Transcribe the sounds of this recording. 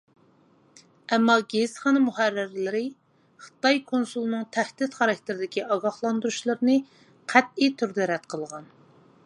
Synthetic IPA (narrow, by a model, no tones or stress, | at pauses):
ɛmːɑɡʲezχɑnɨmuhærːɪɾlɪɾɪ | χə̥t̪ɑjkʰonsulˠnɨŋt̪ʰæhd̪ɪt̪χɑɾɑk̚ʲt̪ʰɪɾɪd̪ɪkʲiɑɡɑχlˠɑnd̪uɾuʃlˠɨɾɨnɨ | qʰæt̪̚it̪ʰyɾd̪ɛɾɛt̪qʰəlˠʁɑn